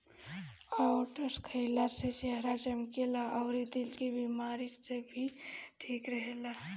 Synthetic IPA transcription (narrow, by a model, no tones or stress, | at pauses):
awʈəskʰəɪlaseseɦɾat͡ʃəmkelaʔəʊɾid̪ilkebimaːɾisebʱiʈʰiːkɾəɦela